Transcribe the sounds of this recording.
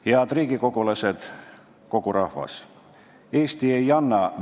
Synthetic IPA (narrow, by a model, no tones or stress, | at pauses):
heɑd̪riːɡ̥iko̞ɡ̥ulɑse̞d̪̥ | ko̞ɡ̥uɾɑhvɑ̰s | e̞ːst̪ie̞jɑnːɑ